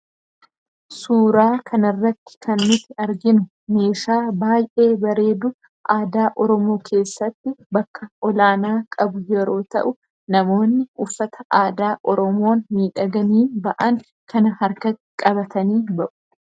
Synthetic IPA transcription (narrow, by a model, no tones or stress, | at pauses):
suːɾaːkʰɐnɪrːɐt̪ːɪ̥kʰɐnmɪt̪ːɪɐɾɡɪnʊ | me̞ːʃaːbaːjʔe̞ːbɐɾe̞ːd̪ʊ | ʔaːd̪aːʔɔɾɔmo̞ːkʰe̞ːsːɐt̪ːɪbɐkːɐɔlaːnaːkʼɐbʊjɛɾo̞ːt̪ɐ̰ʔʊ | nɐmo̞ːnːɪʊfːɐt̪ɐʔaːd̪aːʔɔɾɔmo̞ːnmiːᶑɐɡɐniːbɐʔɐŋ | kʰɐnɐhɐɾkɐ | kʼɐβɐt̪ɐniːbɐʔʊ̥